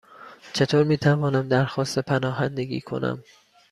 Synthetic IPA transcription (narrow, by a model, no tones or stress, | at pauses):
t͡ʃʰe̞t̪ʰoːɾmiːt̪ʰævɒːnæmd̪æɾxɒːst̪epʰænɒːɦænd̪eɡḭːkʰo̞̰næ̰m